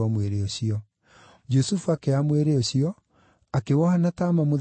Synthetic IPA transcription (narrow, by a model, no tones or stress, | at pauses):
ɔmweɾeoɕiɔ | d͡ʒusufuakeamweɾeoɕiɔ | akewɔhanataːmamo